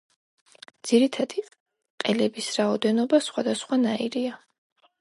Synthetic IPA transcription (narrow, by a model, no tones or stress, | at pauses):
d̪z̥iɾit̪ʰad̪̥i | qʼɛlɛbisɾaɔd̪ɛnɔbasχwad̪asχwanaiɾia